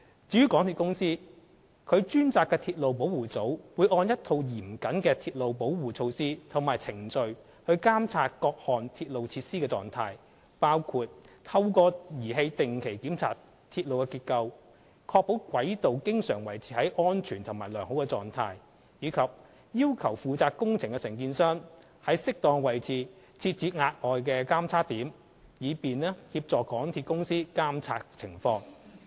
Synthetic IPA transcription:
t͡siː˨˥yː˥kɔː˨˥ŋt̪ʰiː˧kʊ˥ŋsiː˥ | kʰɵ˨˧ɥt͡ʃyː˥nt͡saː˧kːɛː˧t̪ʰiː˧t̚lo˨wp̬o˨˥wuː˨˩t͡so˨˥wwuː˨˧jʔɔː˧njɐ˥t̪ʰo˧wjiː˨˩mkɐ˨˥nkɛː˧t̪ʰiː˧t̚lo˨wpo˨˥wwuː˨˩t͡sʰo˧wsiː˥t̪ʰʊ˨˩ŋmaː˨˩jt͡sʰɪ˨˩ŋt͡sɵ˧ɥ | hɵ˧ɥkaː˥mt͡sʰaː˧t̚kɔː˧k̚hɔː˨nt̪ʰiː˧t̚lo˨wt͡sʰiː˧t̚siː˥kɛː˧t͡sɔ̰ː˨ŋt̪ʰaː˧j | paː˥wkʰuː˧t̚t̪ʰɐ˧wkɔː˧jiː˨˩ɦe˧jt̪ɪ˨ŋkʰe˨˩jkiː˨˥mt͡sʰa̰ː˧t | t̪ʰiː˧t̚lo˨wkɛ˧kiː˧t̚kɐ˧w | kʰɔː˧k̚po˨˥wkʷɐ˨˥jt̪o˨wkɪ˥ŋsœː˨˩ŋwɐ˨˩jt͡sʰiː˨˧hɐ˨˥jʔɔː˥nt͡ʃʰyː˨˩nt̪ʰʊ˨˩ŋmaː˨˩jlœː˨˩ŋho˨˥wkɛ˧t͡sɔː˨ŋt̪ʰaː˧j | jiː˨˧kʰɐ˨p̚ | jiː˥wkʰɐ˨˩wfuː˨t͡saː˧k̚kʊ˥ŋt͡sʰɪ˨˩ŋkɛ˧sɪ˨˩ŋkiː˧nsœː˥ŋ | hɐ˨˥jsɪ˥k̚t̪ɔː˨˧ŋwɐ˨˩jt͡sʰiː˨˧ | t͡sʰiː˧t̚t͡siː˨˧˥ŋaː˧t̚ŋɔː˨jkɛː˧kaː˥mt͡sʰaː˥k̚t̪iː˨˥m | jiː˨˧piː˨nɛː˥hi˧p̚t͡sɔː˨kɔː˨˥ŋt̪ʰiː˧t̚kʊ˥ŋsiː˥kaː˥mt͡sʰaː˧t̚t͡sʰɪ˨˩ŋfɔː˧ŋ

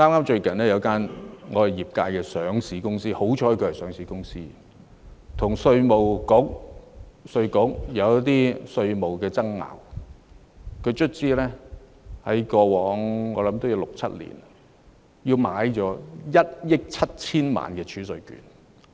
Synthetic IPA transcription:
ŋaː˥maː˥mt͡ʃɵ˧ɥkɐ˨˩nlɛː˥jɐ˨˧wkaː˥nŋɔː˧hɐ˨˩jiː˨˩p̚kaː˧jkɛː˧sœː˨˥ŋsiː˨˥kʊ˥ŋsiː˥ho˨˥wt͡ʃʰɔː˨˥jkʰɵ˧hsœː˨˥ŋsiː˨˧˥kʊ˥ŋsiː˥ | t̪ʰʊ˨˩ŋsɵ˧ɥmo˨wkʊ˨˥k̚ | sɵ˧ɥkʊ˨˥k̚jɐ˨˧wt̪iː˥sɵ˧ɥmo˨˩wkɛː˧t͡sɐ˥ŋːa̰ː˨˩w | kʰɵ˨˧ɥt͡ʃʰɵ˥t̚t͡siː˥lɛː˥ | hɐ˨˥jkɔː˧wɔː˨˥ŋŋɔː˨˧lɐ˨˦mt̪o˥wjɐ˨˧wlʊ˨k̚t͡sʰɐ̰˦˥t̚lḭ˨˩n | jiː˧wma̰ː˨˥jt͡ʃɔː˨˥jɐ˥t̚jɪ˥k̚t͡sʰɐ˥t̚t͡sʰiː˥nma̰ː˨nkɛː˧t͡ʃʰyː˨˥sɵ˨˧ɥky̰ː˨˥n

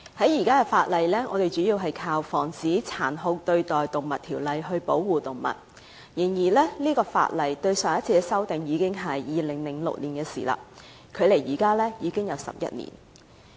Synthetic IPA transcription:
hɐ˨˥jiː˨˩kaː˥kɛ˧faː˧t̚lɐ˨jlɛː˥ŋɔː˨˧t̪e˨jt͡ʃy˨˥jiː˧wɦɐ˨jkʰaː˧wfɔː˨˩ŋt͡siː˨˥t͡sʰaː˨˩nɦʊ˧k̚t̪ɵ˧ɥt̪ɔː˨jt̪ʊ˨ŋmɐ˨t̚t̪ʰiː˨˩wlɐ˨˧jɦɵ˧ɥpo˨˥wwuː˨t̪ʊ˨˩ŋmɐ̰˨t̚ | jɪ˨˩ŋjiː˨˩lɛː˥liː˥kɔː˧fa̰ː˧t̚lɐ˨jt̪ɵ˧ɥsœː˨˩ŋjɐ˥tt͡sʰiː˧kɛ˧sɐ˥wt̪ɪ˨ŋjiː˨˧kɪ˥ŋɦɐ˨jːiː˨lɪ˨˩ŋlɪ˨˩ŋlʊ̰˨k̚liː˨˩nkɛː˧sḭː˨˩la̰ː˧ | kʰɵ˨˧ɥle˨˩jjiː˨˩kaː˥lɛː˥jiː˨˧kɪ˥ŋjɐ˨˧wsɐ̰˨p̚jɐ̰˥t̚nḭ˨˩n

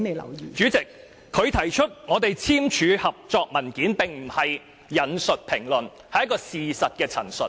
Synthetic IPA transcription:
t͡ʃyː˨˥t͡sɪ˨k̚ | kʰːɵ˨˧ɥt̪ʰɐ˨˩jt͡ʃʰɵ˥t̚ŋɔː˨˧t̪e˨jt͡sʰiː˥mt͡ʃʰyː˨˧hɐ˨p̚t͡sɔː˧k̚mɐ˨˩nkiː˨˥npɪ˨ŋm̩˨˩hɐ˨jː | ɐ˨˥nsɵ˨t̚pʰɪ˨˩ŋlɵ˨n | hɐ˨jɐ˥kɔː˧siː˨sɐ˨t̚kɛː˧t͡sʰɐ̰˨˩nsɵ˨t

